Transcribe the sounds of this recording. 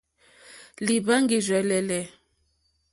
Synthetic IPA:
li˨ba˦ŋɡi˨zɛ˨lɛ˨lɛ˨

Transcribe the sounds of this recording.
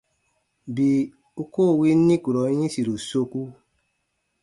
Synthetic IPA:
bi˨ | u˦koː˦˨wi˦ni˦ku˨ɾɔ˨˦ɲĩ˦si˨ɾo˨so˦ku˦

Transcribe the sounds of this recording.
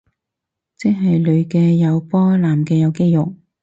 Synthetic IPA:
t͡sɪ˥ɦɐ˨jlɵ˨˧ɥkɛː˧jɐ˨˧wpɔː˥laː˨˩mkɛː˧jɐ˨˧wke˥jjʊ˨k̚

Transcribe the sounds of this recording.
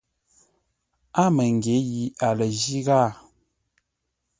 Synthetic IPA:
a˦mə˨ŋ˨ɡe˨˦ji˨˦a˨lə˨ʒi˦ɣa˦˨

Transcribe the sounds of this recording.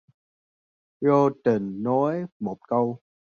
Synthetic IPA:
ɹo˧t̪ə˨˩nːɔ˨˦jmo˨˩t̚kə˧w

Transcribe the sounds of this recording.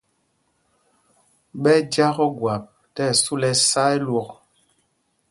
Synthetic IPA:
ɓɛ˦dja˦ɣɔ˦ɡwa˨p̚ | tɛ˦˨su˦lɛ˦sa˦ɛ˦lwɔ˨k̚

